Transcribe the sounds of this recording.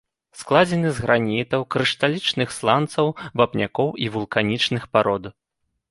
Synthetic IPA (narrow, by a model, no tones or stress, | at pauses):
sklˠad͡zʲɛnɨzɣɾanʲit̪ɐwkɾɨʂt̪alʲit͡ʂnɨxslˠant̪sɐwvapnʲakɔwivulˠkanʲit͡ʂnɨxpaɾɔd̪ɐ